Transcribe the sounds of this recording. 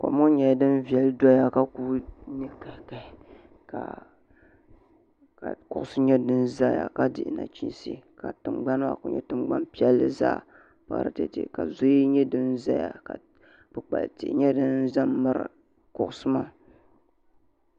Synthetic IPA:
ka̰˨mo˦ɲɛ˨˦dɨ˦n˦vi˨ɛ˨ldɔ˦ja˦ka˦ku˦nɛ˦ka˨˦˨ka˨ | ka̰˨ | ka̰˨kʊ˨ʔʊ˦sɨ˦ɲɛ˦dɨ˦nza˦ja̰˨ka˦dɪ̰˨ʔna̰˨t͡ʃḭ˦nsḭ˦ka˨tɨ˨mɡ͡ba˦n˦ma̰˦˨kʊ̰˨ɲɛ̰˦tɨ˨mɡ͡ba˦npi˦ɛ˦lːɨ̰˦za̰ː˦˨ | pa̰˨ɾɨ̰˦tḛ˨tḛ˨ka˨zʊ˦i˦ɲɛ˦dɨ˦nza˦ja̰˨ka̰˨ | b̥ɨ˨k͡pa̰˨ltḛ˨ʔɲɛ˦dɨ˦nza˦mːɨ˨ɾɨ̰˨ | kʊ˨ʔʊ˨sɨ˦ma˦

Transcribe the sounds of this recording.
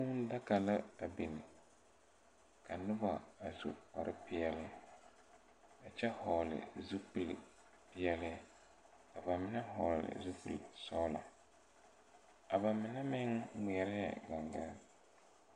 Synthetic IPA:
u˦n˦da˦ka˨la˦a˨bi˨nɪ˨ | kʰa˨nʊ˦ba˨a˨sṵ˨ka̰˨ɾʔɪ˦pɪ˦ɛ˦lɪ˦ | a˨t͡ʃɛ˦hɔ˨lɪ̰˨zu˦pi˨l | pɪ˦jɛ˦lɪ˦ | ka˨ba˨mɪ˨na˦hɔ˨llɪ̰˨zu˦pɨ̰˨lsɔː˦la̰˨ | a˨ba˨mɪ˨nɛ˦mɪ˦ŋmi˨ɛ˨˦ɾɪ˦jɛ̰˨ɡa˨ŋɡa˦

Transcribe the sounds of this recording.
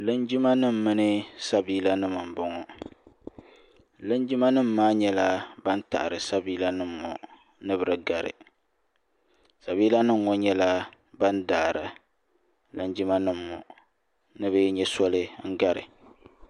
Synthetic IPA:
lɨ˦nd͡ʒɪ˦ma˦nɨ˦m̩˨mɨ˦nɨ˦sa˦biː˦la˦nɨ˦mɨ˨m̩˨bɔ˨ŋɔ˨ | lɨ˦nd͡ʒi˦ma˦nɨ˦m̩ː˨aː˦ɲɛ˦la˦ba˦nta̰˨ʔɾɨ˨sa˦biː˦la˦nɨ˦mː˨ɔ̰˨ | nɨ˦bɨ˨ɾɨ˨ɡa˨ɾɨ̰˨ | sa˨biː˦la˦nɨ˦mŋɔ˦ɲɛ˦la˦ | ba˦ndaː˨ɾɨ˨ | lɨ˦nd͡ʒi˦ma˦nɨ˦mː˨ɔ̰˨ | nɨ˦bɨ˦ɲɛ˦sɔ˦lɨ˦ŋ̩˦ɡa˦ɾɨ̰˨

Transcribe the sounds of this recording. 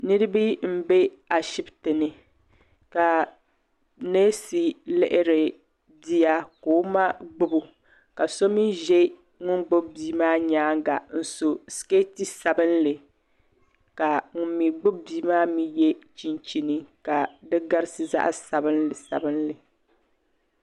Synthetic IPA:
nɨ˦ɾɨ˦bi˦m̩˦be˦ | a˨ʃi˦btɨ˨nɨ˨ | ka˨ | neː˦si˨lɪ˦ʔɪ˦ɾɪ˨ | di˦ja˦koː˨˦ma˦ɡ͡bʊ˦bu˨ | ka˨so˦mi˦ʒɛ˦ | ŋʊ˦nɡ͡bʊ˦b̚biː˦maː˦ɲaː˦ŋ˦ɡa˨n̩˨so˨ske˦ti˦sa˨bɨ˦nlɨ˨ | ka˨ŋʊ˨nːi˨ɡ͡bʊ˦b̚biː˦maː˦mi˦jɛ˦t͡ʃi˦nt͡ʃi˦nɨ˦ka˨dɨ˦ɡa˦ɾɨ˦sɨ˦za̰˦ʔsa˨bɨ˦nlɨ˨sa̰˨bɨ˦nlɨ˨

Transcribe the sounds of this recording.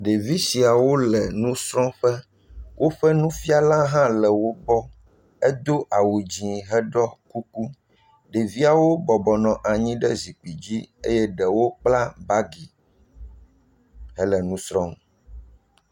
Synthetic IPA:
ɖe˨vi˦si˨a˨wo˦lɛ˨nũ˦sɾɔ̃˦ɸɛ˦ | wʔo˦ɸɛ˦nũ˦fi˦a˦lã˦ɦã˦lɛ˨wo˦bɔ˦ | ɛ˦d̪o˦ʔa˨wu˨d͡ʑĩ˨ɦɛ˦ɖɔ˦ku˦ku˦ | ɖe˨vi˦a˨wo˦bɔ˨bɔ˨nɔ̃˨ʔa˨ɲĩ˦ɖɛ˦zi˨k͡pi˨d͡ʑi˦ḛ˦jɛ˦ɖɛ˨wo˦k͡pla˦ba˦ɡi˨ | ɦɛ˦lɛ˨nũ˦sɾɔ̃˦

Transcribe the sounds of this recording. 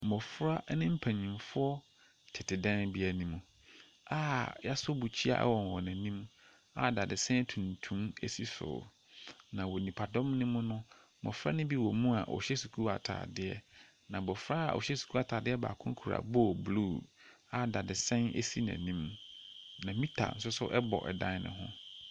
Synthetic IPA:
mɔ˨fɾa˦nɪ̃˦m̩˦pʰæ̃˨ɲĩ˨mfʊ˦ɔ˦ | tʰɪ˨tʰɪ˨dɛ̃˦nbi˦a˨nĩ˦mũ˨ | aː˦ja˦sʊ˦bu˨t͡ɕʰi˦a̰˨ʔɛ̰˦wɔ̃˨n˨wɔ˨næ̃˨nĩ˦m˦ | a̰˨da˨dɪ˨sɛ̃˦n˦tʰũ˨n˨tʰũ˦me˦si˦sʊ̰˨ | nã˨wɔ˨nĩ˨pʰa˨dɔ̃˦mnɪ̃˦mʊ̃˦nʊ̃˦ | bɔ̰˨fɾa˦nʊ̃˦bi˦wɔ˨mũ˦a̰˨ʔɔ̰˨ɕɛ˦su˨kʰu˦a̰˨tʰa̰ː˨dɪ˦ɛ˦ | nã˨bɔ˨fɾa˦a̰˨ʔɔ̰˨ɕɛ˦su˨kʰu˦a˨tʰa˨dɪ˦ɛ˦ba̰ː˨kʰʊ̃˦kʰu˨ɾa̰˨bo˦˨bluː˦˨ | a˨da˨dɪ˨sɛ̃˦ne˦si˦næ̰̃˨nĩ˦m˦nã˨mĩ˦tʰa̰˨n̩˦s̬ʊ˦sʊ̰˦ʔɛ˦bɔ̰˨ʔɛ̰˨dã˦n˦nɪ̰̃˨ɦʊ̰̃˦

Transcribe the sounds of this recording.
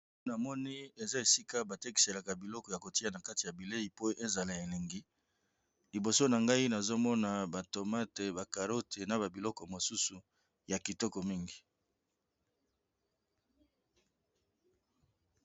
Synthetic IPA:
na˨mɔ˦ni˦e˨za˦e˨si˦ka˦ba˨te˦ki̥˨se˨la˨ka˨bi˨lɔ˦kɔ˨ja˨ko˨ti˦a˨na˨ka˦ti˨ja˨bi˨le˦i˨po˦ʔe˦za˨la˨e˨le˨ŋɡi˦ | li˨bo˨so˦na˨ŋɡa˦i˦na˨zo˦mɔ˦na˨ba˨to˨ma˦te˨ba˨ka˨ʁo˦tʰe˨na˨ba˨bi˨lɔ˦kɔ˨mo˨su˦su˨ | ja˨ki˨tɔ˦kɔ˨mi˦ŋɡi˨

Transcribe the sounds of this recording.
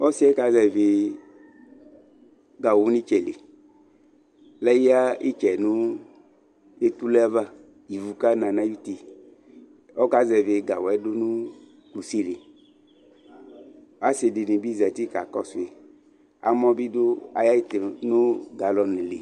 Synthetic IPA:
ɔ˦si˦ɛ˦ka˨˦zɛ˨ve˨ | ɡa˨wu˦ni˦t͡ʃɛ˨le˨ | lɛ˦ji˦a˦i˦t͡ʃɛ˨nu˦ | e˦t̪u˦lɛ˦va˦ | i˨vu˨ka˦na˨na˦ju˦ti˨ | ɔ˦ka˦zɛ˨ve˨ɡa˨wɛ˨dʊ˦nu˦ | ku˨si˦le˨ | a˦se˨de˨nĩ˨bi˦zɛ˨ti˦ka˨kɔ˦se˨ | a̰˨mɔ˦bi˦dʊ˦a˨ja˦i˦tnu˦ɡa˨lɔ˨ni˨le˨

